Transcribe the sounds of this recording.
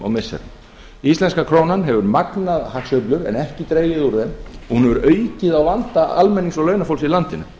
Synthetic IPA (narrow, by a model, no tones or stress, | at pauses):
ɔ̰wmɪsːɛ̰ɾ | ist̪ɛnskakʰɾoːwnanɦɛvʏɾmaknaðhaksœɥplʏɾɛ̰nɛhcɪt̪ɾeːjɪðuɾðɛmɔhunɛvʏɾœːɥcɪðawlant̪aalmɛnːiŋsɔlœːɥnafowlsilant̪ɪnʏ